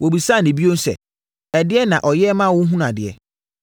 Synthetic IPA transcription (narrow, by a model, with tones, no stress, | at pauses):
wo˨bi˨sa˦˨nɪ̃˨bi˦o˦n̩˦sɛ̰˨ | ɛ˨dɪ˦ɛ˦nã˨ʔɔ˨jɛ˦mã˦wʊ̃˦ɦũ˦n˦a˨dɪ˨ɛ̰˨